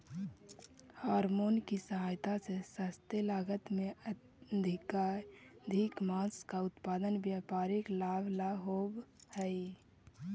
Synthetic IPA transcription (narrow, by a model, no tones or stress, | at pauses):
haːɾmoːnkisəɦaːjt̪asesast̪əlaːɡət̪mẽə | d̪ʱɪkad̪ʱɪkmãːskaʊt̪paːd̪ənbjaːpaːɾɪklaːbʱlaɦoːbhɛi